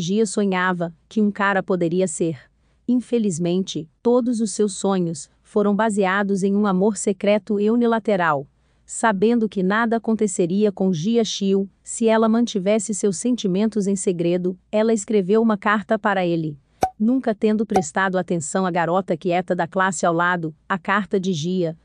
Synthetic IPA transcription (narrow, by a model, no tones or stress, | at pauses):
ʒiɐsõɲavɐkɪũkaɾɐpod̪eɾiɐseɾ | ĩfelizmẽnt͡ʃɪt̪od̪ʊzʊsːewsõɲʊs | foɾɐ̃w̃baziad̪ʊzẽj̃ũamoɾsekɾɛt̪ʊeunilat̪eɾaw | sabẽnd̪ʊkɪnad̪ɐːkõnt̪eseɾiɐkõʒiɐʃiw | sɪɛlɐmɐ̃nt͡ʃivɛsɪsewsːẽnt͡ʃimẽnt̪ʊzẽj̃seɡɾed̪ʊɛlɐeskɾevewũmɐkaɾt̪ɐpaɾɐelɪ | nũŋkɐt̪ẽnd̪ʊpɾest̪ad̪ʊat̪ẽsɐ̃w̃ɐɡaɾɔt̪ɐkiɛt̪ɐd̪ɐklasɪawlad̪ʊakaɾt̪ɐd͡ʒɪʒiɐ